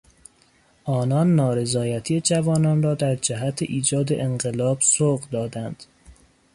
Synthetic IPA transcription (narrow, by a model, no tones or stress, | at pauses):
ʔɒːnɒːnːɒːɾe̞zɒːjæt̪ʰijed͡ʒævɒːnɒːnrɒːd̪æɾd͡ʒæɦæt̪ʰeʔiːd͡ʒɒːd̪ḛʔeɴɢelɒːbsoɣd̪ɒːd̪ænd̪̥